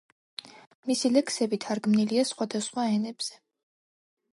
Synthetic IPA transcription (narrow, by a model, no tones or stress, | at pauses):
misilɛksɛbit̪ʰaɾɡmniliasχwad̪asχwaɛnɛb̥z̥ɛ̥